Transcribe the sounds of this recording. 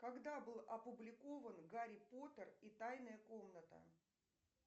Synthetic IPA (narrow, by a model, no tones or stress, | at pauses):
kɐɡd̪abɨlˠɐpʊblʲɪkovənɡaɾʲɪpo̞t̪ərit̪ajnəjəko̞mnət̪ə̰